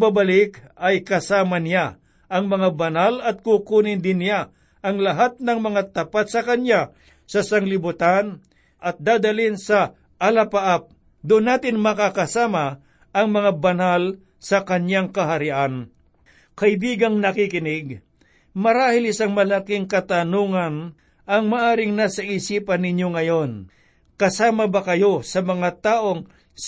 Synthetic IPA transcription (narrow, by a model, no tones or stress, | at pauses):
babɐlɪkɐjkɐsaːmɐnɪja | ʔɐŋmɐŋabɐnalɐt̪̚kukuːnɪnd̪ɪnːɪja | ʔɐŋlɐɦat̪̚nɐŋmɐŋat̪ɐpat̪̚sɐkɐnja | sɐsɐŋlɪbʊt̪an | ɐt̪̚d̪aːd̪ɐlɪnsɐ | ʔɐlɐpaʔap̚ | d̪ʊʊnːaːt̪ɪnmɐkakɐsaːmɐ | ʔɐŋmɐŋabɐnal | sɐkɐɲjaŋkɐɦɐɾɪʔan | kɐʔɪbiːɡɐŋnɐkɪkɪnɪɡ̚ | mɐɾaːhɪlɪsaŋmɐlakɪŋkɐt̪anuːŋɐn | ɐŋmaʔaːɾɪŋnasɐʔisiːpɐnɪɲjoŋɐjo̞n | kɐsaːmɐbɐkɐjo̞sɐmɐŋat̪aːʔo̞ŋ